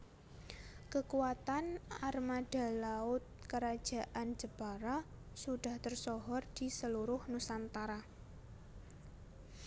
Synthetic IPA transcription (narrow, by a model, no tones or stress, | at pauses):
kəkuwat̪anarmad̥a̤laʊt̪̚kəɾad̥ʒ̥a̤ʔand͡ʒəb̥aɾa | suɖ̥a̤ht̪ərsɔɦɔrd̥i̤səluɾʊhnusant̪aɾa